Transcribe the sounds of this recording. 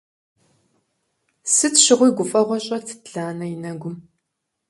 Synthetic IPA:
sɨtɕɪʁʷʊjɡʷʊfʼɐʁʷɔɕʼɐtʰɨ̥tɮaːnɐjɪnɐɡʷʊm

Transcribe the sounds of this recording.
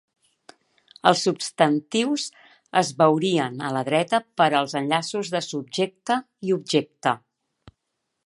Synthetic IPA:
əlˠsːupst̪ənt̪iwz | əzβəwɾiənələðɾɛt̪əpəɾəlˠzənʎasuzðəsub̚ʒek̚t̪ə | iub̚ʒek̚t̪ə

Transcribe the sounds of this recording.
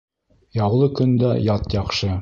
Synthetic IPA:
jɑwlˠɤkɵ̆nd̪æjɑt̪jɒqʃɤ

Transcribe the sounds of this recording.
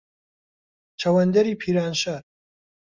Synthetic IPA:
t͡ʃʰɐwɐnd̪ɐɾiːpʰiːɾaːnʃaːɾ

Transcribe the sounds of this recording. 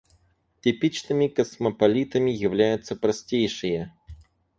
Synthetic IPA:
tʲɪpʲit͡ɕnɨmʲɪkɐsməpɐlʲit̪əmʲɪjɪvlʲæjʊt̪səpɾɐsʲtʲejʂɨjə

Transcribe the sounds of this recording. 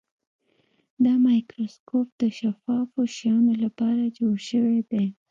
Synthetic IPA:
d̪əmɑjkɾoskopd̪əʃafɑfoʃjɑnolapɑɾad͡ʒoɽʃəwed̪e

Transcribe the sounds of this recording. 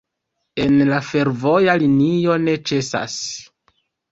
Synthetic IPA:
e̞nlafe̞ɾvo̞jalinio̞ne̞t͡ʃe̞sa̰s

